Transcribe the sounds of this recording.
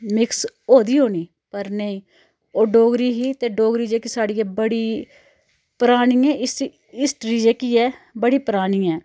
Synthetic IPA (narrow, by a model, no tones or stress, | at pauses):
mɪksoːd̪iːɦoːniː | pəɾnəĩː | oːɖoːɡɾiːɦiːt̪eːɖoːɡɾiːd͡ʒeːkisaːɽiːɛːbəɽiː | pəɾaːɽ̃iːɛːɪsi | ɪsʈɾiːd͡ʒeːkiːɛːbəɽiːpɾaːɽ̃iːɛː